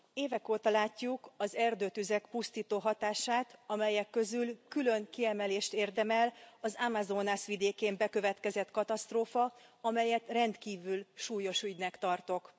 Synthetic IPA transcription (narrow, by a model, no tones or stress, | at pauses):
eːvɛkoːt̪ɒlaːcːukɒzɛrd̪øːt̪yzɛkpust̪iːt̪oːɦɒt̪aːʃaːt̪ɒmɛjɛkːø̞zylkylø̞ŋkiɛmɛleːʃt̪eːrd̪ɛmɛlɒzamazoːnasʋid̪eːkeːmbɛkø̞vɛt̪kɛzɛt̪kɒt̪ɒst̪roːfɒɒmɛjɛt̪rɛnt̪kiːvylʃuːjo̞ʃyɟnɛkt̪ɒrt̪o̞k